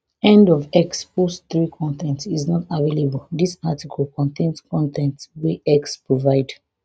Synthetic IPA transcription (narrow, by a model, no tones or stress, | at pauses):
ɛ̃ndɔvɛksposθɹikʰɔ̃ntɛ̃ntsiznɔtavelebəldisatikʰɔlˠkʰɔ̃ntʰẽnskʰɔ̃ntʰɛ̃ntweɛkspʰɹovaɪd